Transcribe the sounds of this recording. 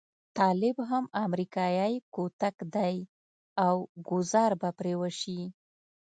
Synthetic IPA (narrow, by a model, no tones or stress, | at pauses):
t̪ɑlɪbɦamamɾikɑjajkot̪akd̪aj | awɡʊzɑɾbapɾewəʃi